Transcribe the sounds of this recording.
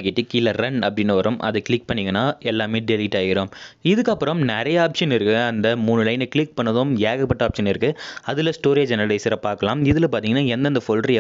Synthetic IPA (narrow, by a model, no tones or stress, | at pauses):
kɪʈːikɪlɐɾɐnɐpːɐɽɪnːɯʋɐɾɯmʔɐ̰ðɐkɪɭɪk̚pɐɳːɪŋɡɐnːaːɛlːaːmeːɖɛlɪʈːaːɣɪɾoːmɪðɯkːɐpːɯɾɐmnɛɾɐjɐaːpʂɐnɪɾɯkːɯɐnd̪ɐmuːnɯlɐɪnɯkɪɭɪk̚pɐɳːɐðoːmjeːɣɐpːɐʈːɐaːpʂɐnɪɾɯkːɯɐðɪlɐsʈoːɾeːd͡ʒɛnɐɾɐɽɐɪsɪɾɐpːaːɾkɐlaːmɪðɪlɐpaːɾt̪iŋɡɐnːaːɛnd̪ɐnd̪ɐfolʈɾ